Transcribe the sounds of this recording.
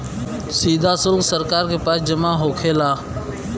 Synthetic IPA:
siːd̪ʱasʊlksəɾkaːɾkepaːsd͡ʒəmaɦoːkʰeːlaː

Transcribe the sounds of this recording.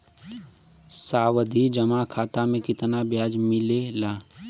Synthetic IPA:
saːwəd̪ʱid͡ʒɐmakʰaːt̪amẽkɪt̪nabjaːd͡ʒmɪlelaː

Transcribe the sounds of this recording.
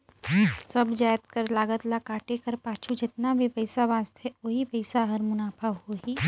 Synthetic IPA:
sɐbd͡ʒaːjət̪̚kəɾlaːɡət̪lakaːʈekəɾpaːt͡ʃʰud͡ʒɪt̪nabʱipəɪsabãːst̪ʰeoɦipəɪsaɦɐɾmʊnaːpʰaʋɦoɦiː

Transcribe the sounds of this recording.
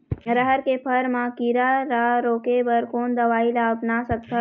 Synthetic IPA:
ɾəɦəɾkepʰəɾmãkiːɾaɾaɾoːkebəɾkoːnd̪əʋaːilaːpnasək̚t̪ʰə

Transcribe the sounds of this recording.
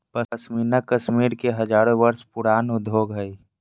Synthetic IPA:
pəsmiːnəkəʃmiːɾkeɦɐd͡ʒaːɾõbəɾspʊɽaːnʊd̪ʱoːɡɦəi

